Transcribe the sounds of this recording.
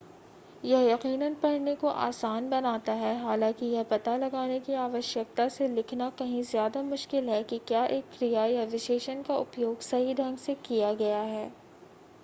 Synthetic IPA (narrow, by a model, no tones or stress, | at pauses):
jɐɦjɐqiːnənpɐɽ̤nekoʔa̰ːsaːnbɐnaːt̪aɦɛɦaːlãːkijɐɦpɐt̪alɐɡaːnekiaːʋəʃək̚t̪aselɪkʰnakɐɦĩzjaːd̪amʊʃkɪlɦɛkikjaːʔeːkːɾijajaɾɪʃeːʃənkaʊpjoːɡsɐɦiɖʱɐ̃ŋɡsekijaɡɐjaɦɛː